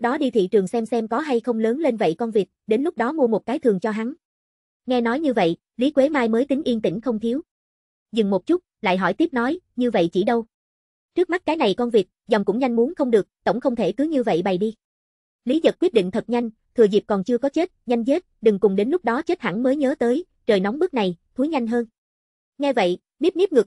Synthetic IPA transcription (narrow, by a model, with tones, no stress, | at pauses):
ɗɔ˨˦ɗi˧t̪ʰḭ˧˨t͡ɕɨ˨˩əŋsɛ˧msɛ˧mkɔ˨˦ɦa˧jxə˧wŋ͡mləː˨˦nle˧nvə̰˧˨jkɔ˧nvi˨˩t̚ɗe˨˦nlʊ˦˥k͡p̚ɗɔ˨˦mu˧əmo˨˩t̚kaː˨˦jt̪ʰɨ˨˩əŋt͡ɕɔ˧ɦa˨˦n | ŋɛ˧nɔ˨˦jɲɨ˧və̰˧˨j | li˨˦kwe˨˦maː˧jməː˨˦jt̪ï˨˦ŋ̟ʔi˧ənt̪ï˧˩ŋ̟xə˧wŋ͡mt̪ʰi˨˦w | zɨ˨˩ŋmo˨˩t̚t͡ɕʊ˦˥t̚la̰ː˧˨jɦɔ̰˧˩jt̪i˦˥əp̚nɔ˨˦jɲɨ˧və̰˧˨jt͡ɕi˧˩ɗə˧w | t͡ɕɨ˦˥k̚ma˦˥t̚kaː˨˦jna˨˩jkɔ˧nvi˨˩t̚zɔ˨˩wŋ͡mkʊ̰˧˥ŋ͡mɲa˧jŋ̟mu˨˦nxə˧wŋ͡mɗɨ˨˩ək̚t̪ə̰˧˩wŋ͡mxə˧wŋ͡mt̪ʰe˧˩k̪ɨ˨˦ɲɨ˧və̰˧˨jɓa˨˩jɗi˧ | li˨˦zə˨˩t̚kwi˦˥ət̚ɗḭ˧˨ŋ̟t̪ʰə˨˩t̚ɲa˧jŋ̟ | t̪ʰɨ˨˩əzi˨˩p̚kɔ˨˩nt͡ɕɨ˧əkɔ˨˦t͡ɕe˦˥t̚ɲa˧jŋ̟ze˦˥t̚ɗɨ˨˩ŋkʊ˨˩ŋ͡mɗe˨˦nlʊ˦˥k͡p̚ɗɔ˨˦t͡ɕe˦˥t̚ha̰˧˩ŋməː˨˦jɲəː˨˦t̪əː˨˦j | t͡ɕəː˨˩jnɔ˨˦wŋ͡mɓɨ˦˥k̚na˨˩jt̪ʰu˨˦jɲa˧jŋ̟ɦəː˧n | ŋɛ˧və̰˧˨j | ɓi˦˥p̚ni˦˥p̚ŋɨ˨˩k̚